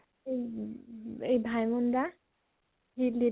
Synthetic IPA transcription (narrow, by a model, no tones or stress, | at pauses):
ej | ejbʱajmʊnda | hili